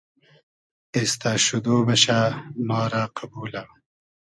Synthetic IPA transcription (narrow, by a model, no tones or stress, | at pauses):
est̪aʃud̪oːbɐɕamɑːɾaqʰabuːla